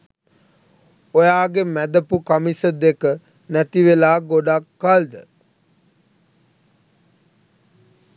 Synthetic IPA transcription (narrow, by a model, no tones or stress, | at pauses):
ojaːɡemæd̪əpukamisəd̪ekə | næt̪iʋelaːɡoɖakːald̪ə